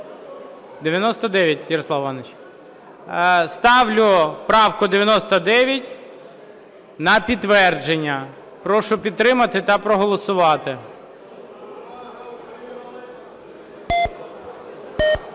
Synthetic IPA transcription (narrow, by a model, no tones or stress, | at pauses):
d̪eʋʲjɐnɔst̪ɐd̪ɛʋʲjɐt̚ʲjɐɾɔslˠɑwʋɑnet͡ʃ | st̪ɑʋlʲʊpɾɑwkʊd̪eʋjɐnɔst̪ɐd̪ɛʋʲjɐtʲ | nɐpʲit̪ːʋɛrd͡ʒenʲːɐ | pɾɔʃʊpʲid̪t̪ːɾɪmɐt̪ɪt̪ɐpɾɔɦɔlˠɔsʊʋɑt̪ɪ